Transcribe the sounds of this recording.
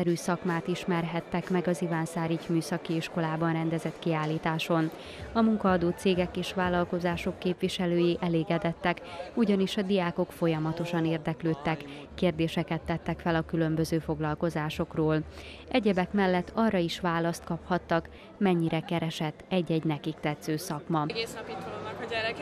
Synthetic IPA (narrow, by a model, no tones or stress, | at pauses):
ɛɾyːsɒkmaːt̪iʃmɛrɦɛt̪ːɛkmɛɡɒzivaːnsaːɾicmyːsɒkiiʃko̞laːbɒnrɛnd̪ɛzɛt̪kiaːlːiːt̪aːʃo̞n | ɒmuŋkɒːd̪oːt̪seːɡɛkeːʃʋaːlɒlko̞zaːʃo̞kːeːpʋiʃɛløːjiʔɛleːɡɛd̪ɛt̪ːɛkuɟɒniʃɒd̪ijaːko̞kfo̞jɒmɒt̪o̞ʃɒneːrd̪ɛkløːt̪ːɛkː | eːrd̪eːʃɛkɛt̪ːɛt̪ːɛkfɛlɒkylømbø̞zøːfo̞ɡlɒlko̞zaːʃo̞kroːl | ʔɛɟɛbɛkmɛlːɛt̪ːɒrɒiʃʋaːlɒst̪kɒphɒt̪ːɒk | mɛɲːiɾɛkɛɾɛʃɛt̪ːɛɟːɛɟnɛkikt̪ɛt̪søːsɒkmɒɡeːsnɒit̪oonɛɾ